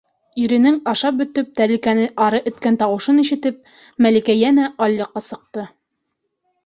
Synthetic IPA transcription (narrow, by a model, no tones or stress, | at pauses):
iɾɘ̆nɘŋɑʃɑp̚bɵ̆t̪ɵp̚t̪æɾɘ̆lkænɘʔɑɾɤʔɵ̆t̪kænt̪ɑwɤ̆ʃɤniʃɘ̆t̪ɘp̚ | mælikæjænæʔɑlʲːɤ̆qːɑsɤ̆q̚t̪ɤ